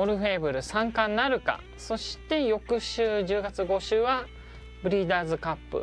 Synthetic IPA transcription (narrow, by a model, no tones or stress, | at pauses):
oɾɯ̟ɸe̞ːbɯ̟ɾɯ̟sãŋkãnnːaɾɯ̟ka̰ | so̞ɕi̥t̪e̞jo̞kɯ̟ɕɨːʑɨːɡat͡sɨɡo̞ɕɨːβa | bɯ̟ɾʲiːd̪aːzɨkapːɯ̰